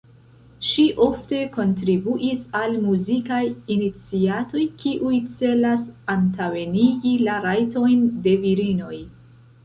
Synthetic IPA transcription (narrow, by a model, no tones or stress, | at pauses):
ʃiʔo̞fte̞ko̞ntɾibuʔisalmuzikajinit͡siato̞jkiʔujt͡se̞lasantaweniɡilaɾajto̞jnde̞viɾino̞j